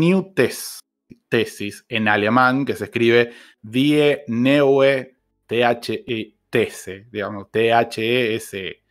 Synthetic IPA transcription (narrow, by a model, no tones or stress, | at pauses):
njut̪es | t̪esisenalemãŋke̞sehkɾiβe | ðienewe | t̪eat͡ʃee | t̪eseðiɣamost̪eat͡ʃeeese